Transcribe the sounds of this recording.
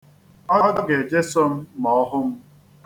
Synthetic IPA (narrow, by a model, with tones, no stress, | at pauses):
ɔ˦dɔ˦ɡe˨d͡ʒe˦sɔ˦m̩˦mɔ˨ɔ˦ɦʊ˦m̩˦